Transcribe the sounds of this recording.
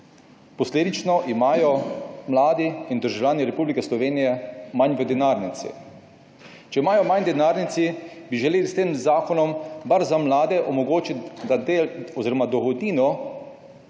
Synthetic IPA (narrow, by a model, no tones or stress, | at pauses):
pɔsleːd̪it͡ʃnɔʔimaːjɔmlaːd̪iind̪əɾʒawlʲjaːniɾɛpublikɛslɔʋeːnijɛmanʋɛd̪ɛnaːɾnit̪sḭ | t͡ʃɛimaːjɔmand̪ɛnaːɾnit̪sibiʒɛleːlist̪eːmzaːkɔnɔmbaɾzamlaːd̪ɛʔɔmɔɡoːt͡ʃit̪d̪aelɔziːɾɔmad̪ɔɣɔd̪niːnɔ